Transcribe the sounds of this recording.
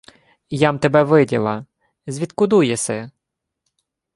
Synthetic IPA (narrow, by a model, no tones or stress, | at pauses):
jɑmt̪ebɛʋɪdʲḭlˠɐ | zʲʋʲit̪kʊd̪ujɛsʲɛ